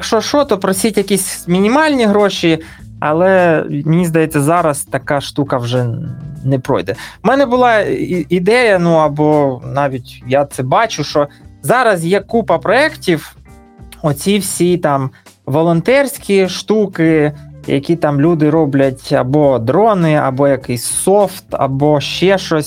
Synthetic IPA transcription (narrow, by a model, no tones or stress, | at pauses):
jɐkʃt͡ʃɔʃɔt̪ɔpɾɔsʲitʲjɐkʲisʲmʲinʲimɑlʲnʲiɦɾoʃi | ɐ̰lˠɛmɪnʲizd̪ɐjɛt͡sʲːɐzɑɾɐst̪ɐkɑʃt̪ukɐwʒɛnɛpɾɔ̰jd̪ɛmɛnɛbʊlˠɑiid̪ɛjɐnuɐbɔnɑʋʲitʲjat̪sɛbɑt͡ʃʊʃɔzɑɾɐzjɛkupɐpɾɔɛktʲiw | ɔt͡sʲiwsʲit̪ɑm | ʋɔlˠɔnt̪ɛrʲsʲkʲiʃt̪ukɪjɐ̰kʲit̪ɑmlʲud̪ɪɾɔblʲɐtʲɐ̰bɔd̪ɾɔnɪɐ̰bɔjɐkɪsʲsɔft̪ɐ̰bɔʃt͡ʃɛʃt͡ʃɔsʲ